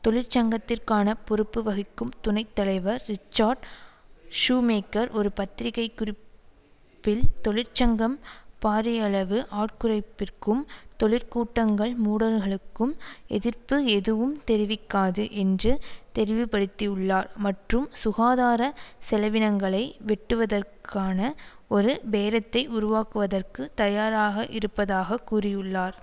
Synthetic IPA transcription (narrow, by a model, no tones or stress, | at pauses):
t̪ɔɭɪɾt͡ʃɐŋɡɐt̪ːɪrkaːnɐpɔɾɯpːɯʋɐɣɪkːɯmt̪ʊnɐɪt̪ːɐlɐɪʋɐɾːɪt͡ʃːaːɾɖ | ʂuːmeːkːɐɾɔɾɯpɐt̪ːɪɾɪɣɐɪkːʊrɪp | pːɪlt̪ɔɭɪɾt͡ʃɐŋɡɐmpaːɾɐjɐɭɐʋɯʔaːrkɯrɐɪpːɪrkɯmt̪ɔɭɪɾkuːʈːɐŋɡɐɭmuːɽɐlɣɐɭɯkːɯmɛðɪrpɯɛðɯʋɯmt̪ɛɾɪʋɪkːaːðɯʔɛndrɯt̪ɛɾɪʋɪpːɐɽɯt̪ːijɯɭːaːɾmɐʈrɯmsʊɣaːðaːɾɐsɛlɐʋɪnɐŋɡɐɭɐɪʋɛʈːɯʋɐðɐrkʰaːnɐ | ɔɾɯʋeːɾɐt̪ːɐɪʊɾʊʋaːkɯʋɐðɐrkɯt̪ɐjaːɾaːɣɐʔɪɾɯpːɐðaːɣɐkːuːrɪjɯɭːaːɾ